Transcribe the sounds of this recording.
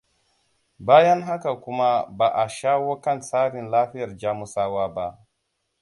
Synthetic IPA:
baː˦jɐ˦ŋɦa˦ka˨kʷʊ˦ma˦baː˨ʔa˨ʃaː˦woː˦kɐ˦˨nsaː˦ɾɪ˨nlaː˦ɸɪ˦jɐ˨rd͡ʒaː˦mu˨saː˦waː˦ba˦ʔ

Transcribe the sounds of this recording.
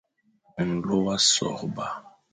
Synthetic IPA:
ŋ̩˨lo˦wa˦sɔ̰˨ʁba˨

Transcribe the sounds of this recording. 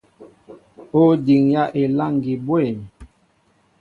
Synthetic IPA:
o˦di˨ŋja˦ʔe˨la˦˨ŋɡi˨bwe˦˨m˨

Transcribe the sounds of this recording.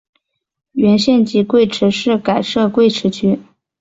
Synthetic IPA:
ɥɛ˧˥nɕjɛ˥˧nt͡ɕi˥˧kwe˥˩ɪʈ͡ʂʰɻ̩˧˥ʂɻ̩˥˩ka˨˩ɪʂɤ˥˧kwe˥˩ɪʈ͡ʂʰɻ̩˧˥t͡ɕʰy˥

